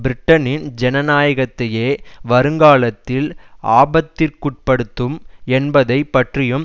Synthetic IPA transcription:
bɪɾɪʈːɐnɪnd͡ʒɛnɐnaːjɐɣɐt̪ːɐjeːʋɐɾɯŋɡaːlɐt̪ːɪlʔa̰ːbɐt̪ːɪrkʊʈ̚pɐɽɯt̪ːɯmɛnbɐðɐɪpːɐʈrɪjɯm

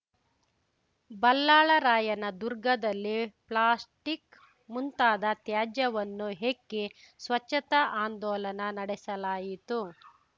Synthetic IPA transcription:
bɐlːaːɭɐɾaːjɐnɐd̪uɾɡɐd̪ɐlːipɭaːsʈik | munt̪aːd̪ɐt̪jaːd͡ʒjɐʋɐnːuɦekːisʋɐt͡ʃːɐt̪ɐaːnd̪ɔːlɐnɐnɐɽɛsɐlaːjit̪u

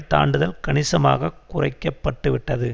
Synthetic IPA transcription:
t̪a̰ːɳɖɯðɐlkɐɳɪsɐma̰ːɣɐkʊrɐ̰ɪkːɐpːɐʈːɯʋɪʈːɐðɯ

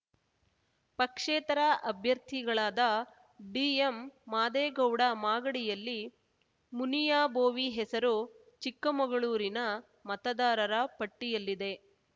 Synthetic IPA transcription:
pɐkʂeːt̪ɐɾɐʔɐbʱjɐɾt̪ʰiɡɐɭaːd̪ɐ | ɖiːemːaːd̪eːɡɐwɽɐmaːɡɐɽijɐlːi | munijaːboːʋiɦɛsɐɾu | t͡ʃikːɐmɐɡɐɭuːɾinɐ | mɐt̪ɐd̪aːɾɐɾɐpɐʈːijɐlːid̪e̞

